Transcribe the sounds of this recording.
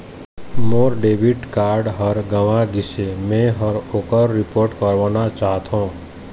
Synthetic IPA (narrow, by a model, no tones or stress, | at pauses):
moːɾɖeːbɪʈkaːɾɖɦəɾɡəʋãɡɪsemẽɦəɾoːkəɾːɪpoːɾʈkəɾʋanat͡ʃaːɦt̪ɦõː